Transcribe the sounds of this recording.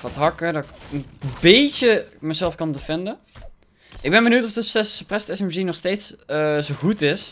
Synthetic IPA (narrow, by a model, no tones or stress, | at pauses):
ʋɑtɦɑkədɔənbejt͡ʃəməzɛlˠfkɑndəfɪndə | ʔɪɡ̚bɛnbənywtɔfdəɛsəprɛstɛsɛmʒinɔχstejtszowχutɪs